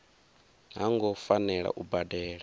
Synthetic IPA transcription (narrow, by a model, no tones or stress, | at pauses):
ɦaŋɡɔfanɛɺa̰ʔubadɛːɺa